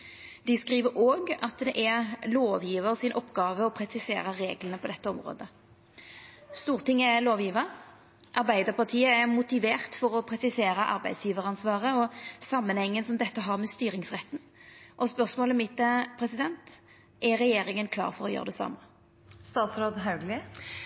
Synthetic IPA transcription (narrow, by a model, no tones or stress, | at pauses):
d̪ɪskʁiːʋəɾoːɡɑt̪d̪ɛʔɛloːʋjiːʋəʁsɪnʔɔpːɡɑːʋəɔpʰɾɛsɪsḛːɾəɾeːɡlənəpʰɔd̪ɛt̪ːəɔmʁo̰ːd̪ə | st̪uːʁt̪ʰɪŋːɛloːʋjiːʋəɾ | ʔɑʁbæɪd̪əpʰɑt̪ʰiːəɛmʊt̪ɪʋeːʁt̪fɔʁɔpʰʁɛsɪseːɾəʔɑ̰ɾbæ̰ɪsjiːʋəʁɑnsʋɑːʁəɔsɑmːənhɛŋːənsɔmd̪ɛt̪ːəɦɑʁmɛst̪yːɾɪŋsʁɛt̪ːn̩ | ʔɔspœʁsmoːləmɪt̪̚ːəpʰɾɛsɪd̪ɛnt̪ | ʔɛʁɛjeːɾɪŋənkʰlɑ̰ːʁfɔʁɔjø̰ːʁəd̪ɛsɑ̰mːə | st̪ɑːt̪sɾoːd̪ɦɑʉɡlɪ